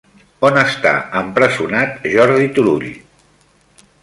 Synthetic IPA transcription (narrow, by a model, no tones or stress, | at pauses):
onəst̪a̰əmpɾəzunat̪ʒɔɾðit̪uluɾḭ